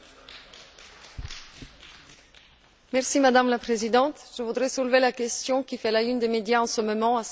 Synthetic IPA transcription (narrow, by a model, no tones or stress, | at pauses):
mɛʁsimad̪amlapχezid̪ɑ̃t̪ʒ̥əvud̪ʁɛsulvelakʲɛst̪jɔ̃kʲifɛlaynd̪emed̪jaɑ̃səmɔmɑ̃as